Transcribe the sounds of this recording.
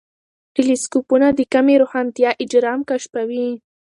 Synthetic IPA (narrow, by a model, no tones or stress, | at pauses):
ʈiliskupunad̪əkameɾohɑnt̪ijɑʔɪd͡ʒɾɑmkaʃpawi